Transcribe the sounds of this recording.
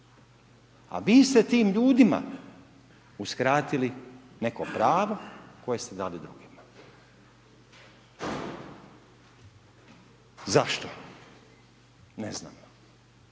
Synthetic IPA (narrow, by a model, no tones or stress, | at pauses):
a̰ʋiːst̪et̪iːmʎuːd̪ima̰ | uskɾaːt̪iline̞kopɾaːʋo̞ko̞jest̪ed̪aːlid̪ɾuɡima | zaʃt̪o | nezna̰ːmo